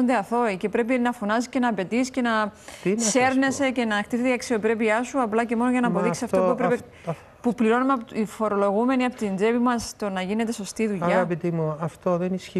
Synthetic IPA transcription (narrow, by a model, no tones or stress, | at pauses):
ond̪eɐθo̞ice̞pɾe̞p̬inɐfonɐsisce̞nɐːpe̞t̪isce̞nɐ | se̞ɾne̞se̞ce̞nɐkt̪iθt̪eiɐksio̞pɾe̞piɐsuɐplɐce̞mo̞noʝɐnɐːpo̞ðisisɐft̪opuepɾepe | pupliɾo̞numepifo̞ɾo̞lo̞ɣume̞niɐpot̪ind͡ze̞pimɐst̪onɐʝine̞t̪e̞so̞st̪iðuʎɐɣɐpit̪imuɐft̪oðenisçi